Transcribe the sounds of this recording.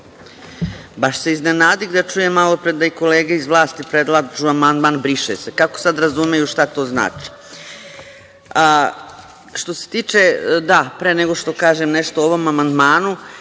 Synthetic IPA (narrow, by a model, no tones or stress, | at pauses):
baʃse̞iznenaːd̪iɡd̪at͡ʃuːjemːalo̞pɾed̪aiko̞leːɡaizʋlˠaːst̪ipɾed̪lˠaʒuamand̪maːnbɾiʃesekako̥sad̪ɾazumejuʃt̪at̪o̞ːzna̰ːt͡ʃi̥ | a | ʃt̪o̞se̥t̪iːt͡ʃed̪apɾeːneɡo̞ʃt̪o̞kaːʒemneʃt̪ooʋo̞mamand̪maːnu